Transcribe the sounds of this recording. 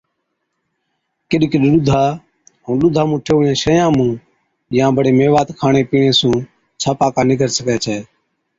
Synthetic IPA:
kɪɗɪkɗɗʊd̪ʱaː | ɦũːɗʊd̪ʱaːmũːʈʰeːʋoːjãːʃəjãːmũː | jãːbəɽeːmeːʋaːt̪kʰaːɳeːpiːẽːsũː | t͡ʃʰaːpaːkãːnɪɡʱəɾsəkɛːt͡ʃʰɛː

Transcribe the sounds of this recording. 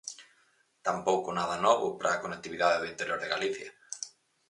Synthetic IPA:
t̪ampowkʊnaðɐnɔβʊ̰pɾʔaːkonek̚t̪iβiðaðeðint̪eɾjoɾðeɣaliθjɐ

